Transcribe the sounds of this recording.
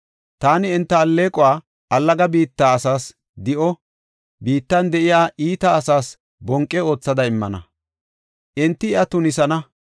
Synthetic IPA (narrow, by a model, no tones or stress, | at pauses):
t̪aːnɪɪnt̪ːɐːlːe̞ːkʼɔwaː | ɐlːɐɡɐbiːt̪ːaːɐsaːs | d̪ɪʔɔ | biːt̪ːɐnd̪ɛʔɪjaːʔiːt̪ɐːsaːs | bɔŋkʼːɛo̞ːt͡sːɐd̪ɐɪmːɐ̰nɐ̰ | ʔɪnt̪ːɪɐt̪ʊnɪsɐnɐ